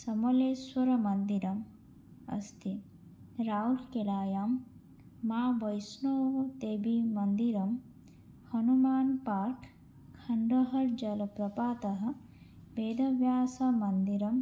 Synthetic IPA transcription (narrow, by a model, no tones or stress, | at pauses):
sɐmɐleːsʋɐɾɐmɐnd̪iɾɐm | ɐ̰st̪i | ɾaːulkelaːjaːmː | aːʋɐjsnoːʋt̪eːbimɐnd̪iɾɐm | hɐnumaːnpaːɾkʰː | ɐɳɖɐɦɐɾd͡ʒɐlɐpɾɐpaːt̪ɐɦɐ̆ | beːd̪ɐʋjaːsamɐnd̪iɾɐm